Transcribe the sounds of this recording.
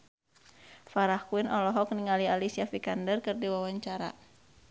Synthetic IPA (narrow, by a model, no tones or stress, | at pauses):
faɾahkuinɔlɔɦɔk̚niŋalialisiafikandərkɨrdiwawaɲt͡ʃaɾa̰